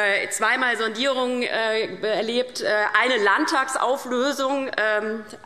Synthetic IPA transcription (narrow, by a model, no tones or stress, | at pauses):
t͡sv̥aɪmaːlzɔndiːʁ̞ʊŋənʔɛːɐleːptʔɛːʔaɪnəlantʰaːksʔa̰ʊfløːzʊŋʔɛm